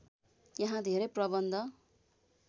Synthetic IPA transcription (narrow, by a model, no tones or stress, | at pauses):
jaɦãd̪ʱeɾʌjprʌbʌnd̪ʱʌ